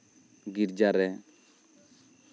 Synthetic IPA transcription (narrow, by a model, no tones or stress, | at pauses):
ɡiɾd͡ʒaɾɛ